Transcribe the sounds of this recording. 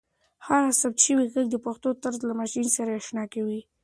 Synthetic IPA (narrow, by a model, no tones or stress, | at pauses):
haɣasab̚t̪ʃəwiɣaɡ̚d̪əpaxt̪ot̪aɾzlamaʃinsaɾaaʃnɑkawi